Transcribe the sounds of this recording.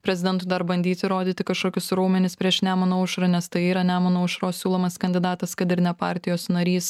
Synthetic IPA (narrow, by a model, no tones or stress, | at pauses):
pʲɾʲɛzʲɪd̪ʲɛnt̪ʊd̪ɐɾbɐnʲd̪ʲiːt̪ʲɪɾoːd̪ʲiːt̪ʲɪkɐʃkoːkʲʊsɾuːmʲɛnʲɪspʲɾʲiɛʃnʲæːmɐnoːʊʃɾɐnʲɛst̪ɐɪiːɾɐnʲæːmɐnoːʊʃɾoːsʲsʲuːlˠoːmɐskɐnʲd̪ʲɪd̪ɑːt̪ɐskɐt̪ɪɾnʲɛpɑ̰ːɾʲt̪ʲɪjoːsnɐɾʲiːs